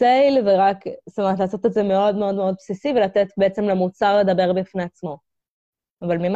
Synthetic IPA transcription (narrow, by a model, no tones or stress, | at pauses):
sejlveʁakstumaat̪laːsot̪etzeme̞o̞d̪meo̞d̪me̞o̞d̪̚psisivelat̪et̪beet͡semlemut͡saʁled̪ɐbe̞ʁbifneat͡smo̞ | avalmim